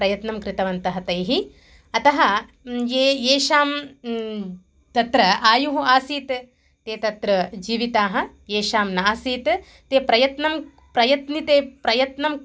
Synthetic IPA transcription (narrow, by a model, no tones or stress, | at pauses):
ɾɐjɐt̪nɐmkɾɪt̪ɐʋɐnt̪ɐɦɐt̪ɐjɦi | ɐt̪ɐɦɐ | jejeːʃaːm | t̪ɐt̪ɾɐaːjuɦuaːsiːt̪ | t̪eːt̪ɐt̪ɾɐd͡ʒiːʋit̪aːɦɐ̆ | jeːʃaːmnaːsiːt̪ | t̪eːpɾɐjɐt̪nɐm | pɾɐjɐt̪nit̪eːpɾɐjɐt̪nɐm